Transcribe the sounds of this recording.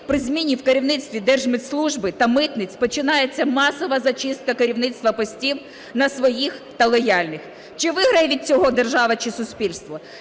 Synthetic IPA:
pɾɪzʲmʲinʲːiwkeɾʲiwnɪt̪st̪ʋʲid̪ɛrʒmɪt̪slˠuʒbɪt̪ɐmɪt̪nɪt͡sʲpɔt͡ʃɪnɑjet͡sʲːɐmɑsɔʋɐzɐt͡ʃɪst̪̚kɐkeɾʲiwnɪt̪st̪ʋɐpɔsʲtʲiw | nɐsʋɔjixt̪ɐlˠɔjɑlʲnɪx | t͡ʃɪʋɪɦɾɐjɛʋʲid̪̚t͡sʲɔɦɔd̪erʒɑʋɐt͡ʃɪsʊspʲilʲst̪ʋɔ

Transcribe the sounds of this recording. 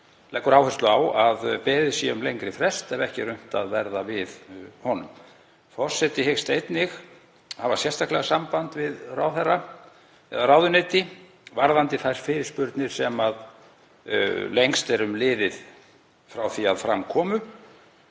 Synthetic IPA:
lɛkːʏɾawhɛst̪lʏawaðpɛːðɪsjɛʏmlejŋkɾɪfɾɛst̪ɛvɛhcɪrʏm̥t̪aðvɛɾðavɪðhɔnʏm | fɔr̥sɛt̪ɪhɪxst̪ejt̪nɪx | havḁsjɛst̪ʰahklɛɣasampant̪vɪðrawθɛrːa | ɛ̰ðarawðʏnet̪ɪ | vaɾðant̪ɪθajɾ̥fɪːɾɪ̥spʏɾt̪nɪɾ̥sɛmað | lejŋst̪ɛɾʏmlɪːðɪð | fɾawθiaðfɾa̰mkʰɔːmʏ

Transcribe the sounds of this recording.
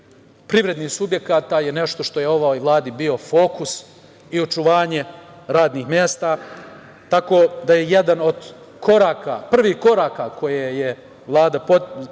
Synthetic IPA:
pɾiʋɾe̞d̪niːhsubje̞kaːt̪ajene̞ʃt̪o̞ʃt̪o̞je̞o̞ʋojʋlˠaːd̪ibio̞fo̞ːkus | io̞t͡ʃuʋaːɲe̞ɾaːd̪niːxmʲje̞ːst̪aː | t̪ako̞ːd̪ajeje̞d̪ano̞d̪ | kʰo̞ɾaːkapr̩ʋiːhko̞ɾaːkakʰo̞jeːje | ʋlˠaːd̪apo

